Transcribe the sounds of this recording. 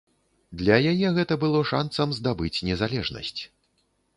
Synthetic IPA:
d̪lʲɐjajɛɣɛt̪ɐbɨlˠɔʂansɐmzd̪abɨt͡sʲnʲɛzalʲɛʐnɐ̰sʲt͡sʲ

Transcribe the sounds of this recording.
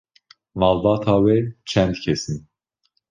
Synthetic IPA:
mɑːlbɑːt̪ʰɑːwɛt͡ʃʰɛnd̪cʰɛsɨn

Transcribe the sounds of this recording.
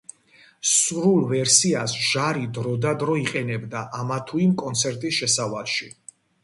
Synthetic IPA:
sɾulˠvɛɾsiasʒ̥aɾid̪ɾɔd̪ad̪ɾɔiqʼɛnɛbd̪aʔamat̪ʰuimkʼɔnt̪sʰɛɾt̪ʼisʃɛsavalˠʃi

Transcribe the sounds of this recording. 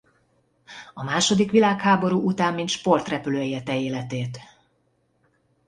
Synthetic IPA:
ɒmaːʃo̞d̪ikʋilaːkhaːbo̞ɾuːʔut̪aːmːint̪ʃpo̞rt̪rɛpyløːɛjɛt̪ɛeːlɛt̪eːt̪

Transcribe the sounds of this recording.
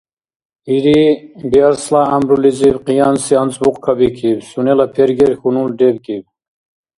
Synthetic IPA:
iɾibiaɾslaːmbɾulizivqijansiant͡sbuqkʰabikʰiwsunelapʰeɾɡeɾxunulɖebkiw

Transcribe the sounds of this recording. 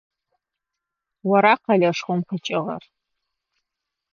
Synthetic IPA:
waɾaqalʲaʂχʷomqʰət͡ʃʼɪʁɐ̰r

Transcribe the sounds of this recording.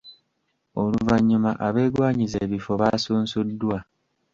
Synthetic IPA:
o̞luvaɲːumaʔaβe̞ːɡwaːɲizeːβifo̞βasuːnsudːwa

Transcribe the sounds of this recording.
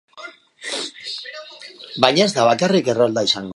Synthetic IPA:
bajɲae̞zd̪aβakarike̞rold̪aisaŋɡ

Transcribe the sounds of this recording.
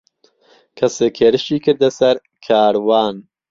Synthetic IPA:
kʰɐseːkʰheːɾɨʃiːkʰɨɾd̪ɐsɐɾ | kʰaːɾwaːn

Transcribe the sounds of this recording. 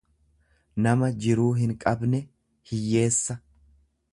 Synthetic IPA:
nɐmɐd͡ʒɪɾuːɦɪŋkʼɐbnɛ | hɪjːe̞ːsːɐ

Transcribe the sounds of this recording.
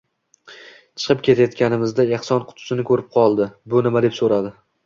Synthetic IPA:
t͡ʃʰɨ̥qɨp̚kʲe̞t̪ʰajɒt̪kʲʰanɪmɪzd̪aeχsɒnqʰʊ̥t̪ʰʊ̥ʃɪnɪkʰɵɾɪp̚qʰɒlˠd̪ɪbʊnɪmad̪e̞psoɾad̪ɪ

